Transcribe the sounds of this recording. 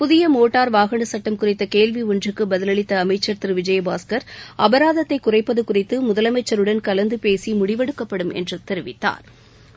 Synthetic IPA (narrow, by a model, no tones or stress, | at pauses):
pʊðɪjɐmoːʈːaːɾʋaːɣɐɳɐsɐʈːɐmkʊrɪt̪ːɐkeːlʋiʊndrɯkːɯbɐðɪlɐɭɪt̪ːɐːmɐɪt͡ʃːɐɾt̪ɪɾʋɪd͡ʒɐjɐbaːskɐɾʔɐbɐɾaːðɐt̪ːɐɪkːʊrɐɪpːɐðɯkʊrɪt̪ːɯmʊðɐlɐmɐɪt͡ʃːɐɾɯɽɐnkɐlɐnd̪ɯpeːsimʊɽɪʋɐɽɯkːɐpːɐɽɯmɛ̰ndrɯt̪ɛɾɪʋɪt̪ːa̰ːɾ